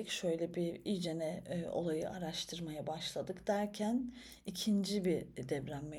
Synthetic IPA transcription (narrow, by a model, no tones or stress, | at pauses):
icʃø̞jlʲɛbiid͡ʒenɛo̞̰lˠajɯ̰ʔaɾaʃt̪ʰɯɾmajabaʃlˠad̪ɯkd̪̥æɾcʰæn | icʰind͡ʒibid̪ɛvɾæmːe